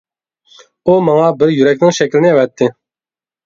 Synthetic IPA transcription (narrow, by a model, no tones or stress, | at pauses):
umɑŋɑbɪɾjyɾɛkʲnɪŋʃɛkʲlɪnɪɛwɛt̪ʰːɪ